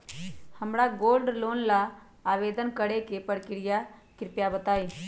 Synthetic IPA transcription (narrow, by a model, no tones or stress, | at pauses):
həmɽaɡoːlɖloːnlaː | ʋeːd̪ənkəɽekepəɽkɪɾɪjakɪɾpjabət̪aːiː